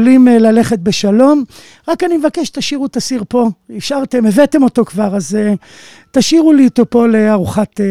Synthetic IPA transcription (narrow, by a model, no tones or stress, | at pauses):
limlale̞χe̞t̪̚beʃalo̞m | ʁakanimevakeʃt̪aʃiʁut̪asiʁpo̞iʃaʁt̪e̞mevet̪emo̞to̞kvaʁaze | taʃiʁulit̪opo̞leaʁuχat